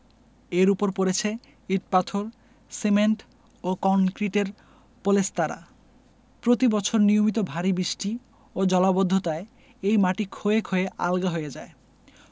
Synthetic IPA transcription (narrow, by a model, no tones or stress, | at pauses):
eɾupoɾpoɾet͡ɕʰe | iʈ̚pat̪ʰoɾ | semeɳʈ | okɔnkɾiʈeɾ | polest̪aɾa̰ | pɾot̪ibɔt͡ɕʰoɾnijomit̪̬obʱaɾibɾiʃʈi | od͡ʑɔlabod̪ʱːot̪ae | ejmaʈikʰoekʰoeʔa̰lɡaɦojed͡ʑae